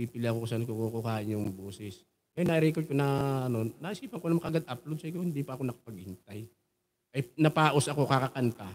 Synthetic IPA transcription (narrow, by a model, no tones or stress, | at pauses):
iːpɪlɪʔɐkoksɐnkukukukaːʔɪnjʊŋboːsɪs | kɐjanɐʔɪɾiːkot̪̚konɐɐnoːɐʔɪskiːpɐŋkonɐmkɐʔɡad̪ʔap̚lod̪sɐkohɪnd̪iːpɐʔɐko̞nɐkɐ̥pɐɡ̚hɪnt̪aj | ʔɐjnɐpaːʔosɐko̞kakɐkɐnt̪a